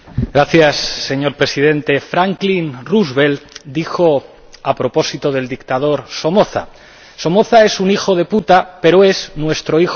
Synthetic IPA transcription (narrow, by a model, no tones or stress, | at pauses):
ɡɾaθjasːe̞ɲo̞ɾpɾe̞sið̞e̞nt̪e̞fɾaŋklinruzβe̞ld̪ixo̞ | apɾo̞po̞sit̪o̞ð̞e̞ld̪ik̚t̪að̞o̞ɾso̞mo̞θa̰ | so̞mo̞θaesunixo̞ðe̞put̪ape̞ɾoe̞znwe̞st̪ɾo̞ix